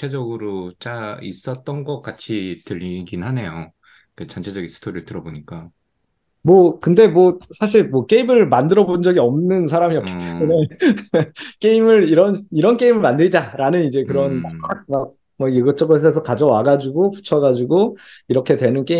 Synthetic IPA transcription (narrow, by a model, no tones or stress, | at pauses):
ed͡ʑʌɡɯɾot͡ɕ͈aḭs͈ʌt̚t͈ʌnɡʌk̚k͈at͡ɕʰitɯʎːiɡinhane̞jo | ket͡ɕʌnt͡ɕʰe̞d͡ʑʌɡinsʰɯ̥tʰoɾiɭtɯɾʌboɲik͈a | mwʌkɯnde̞mwʌsʰaɕ̬ʰiɭmwʌk͈e̞imɯɭmandɯɾʌbond͡ʑʌɡiʌmnɯns̬ʰaɾamiʌk͈i̥tt͈emune̞ | k͈e̞imɯɭiɾʌniɾʌnk͈e̞imɯɭmandɯɾid͡ʑaɾanɯnid͡ʑe̞kɯɾʌnaak̚mak̚ | mʌjeɡʌt͡ɕ͈ʌɡɯs̬ʰʌes̬ʰʌkad͡ʑʌwaɡad͡ʑuɡopu̥t͡ɕʰʌɡad͡ʑuɡoiɾʌkʰe̞twe̞nɯnk͈e